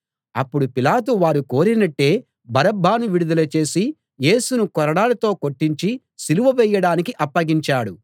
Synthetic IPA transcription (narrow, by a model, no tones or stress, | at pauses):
ɐpːuɽupilaːt̪̬uʋaːɾuko̞ːɾinɐʈːe̞ː | bɐɾɐbʱːaːnuʋiɽud̪ɐlɐt͡ʃe̞ːsi | je̞ːsunukɔɾɐɽaːlɐt̪o̞ːkoʈːiɲt͡ʃi | siluʋɐʋɛjːɐɽaːnikiʔɐpːɐɡiɲt͡ʃaːɽu